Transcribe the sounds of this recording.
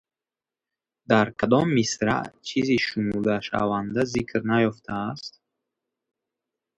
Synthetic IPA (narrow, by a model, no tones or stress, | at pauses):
d̪aɾkʰad̪ɔmːisɾa̰ʔt͡ʃʰiziʃumuld̪aʃa̰vand̪azikʰɾnajɔft̪ʰaːst̪̚